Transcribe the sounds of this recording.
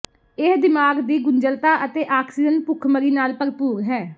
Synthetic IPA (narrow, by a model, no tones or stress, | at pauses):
ɪsd̪ɪmaːɡd̪iːɡʊɲd͡ʒəlt̪aːʔət̪eːʔaːksɪd͡ʒənpʊkʰməɾiːnaːlpəɾpuːɡɦɛː